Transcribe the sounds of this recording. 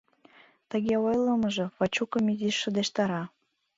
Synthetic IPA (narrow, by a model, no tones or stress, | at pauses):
t̪ə̆ɣeojlˠə̆məʒɤ̆fɑt͡ɕukə̆miziʃːə̆d̪eʃt̪ɑɾɑ